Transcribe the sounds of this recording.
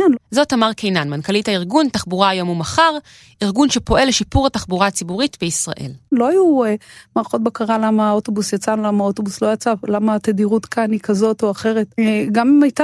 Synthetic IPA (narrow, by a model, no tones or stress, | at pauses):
anzo̞tamaʁkejnanmankalithaiʁɡuntaχbuʁaːjo̞mumaχaʁ | iʁɡunʃe̞po̞ʔe̞leʃipuʁataχbuʁat͡sibuʁitbeisʁa̰ʔe̞̰llo̞ajuemaʁχo̞t̚bakaʁalamaoto̞busjat͡sanlamaotobuslo̞jat͡salamat̪adiʁutkʰanikazo̞toaχe̞ʁe̞tɡamimajta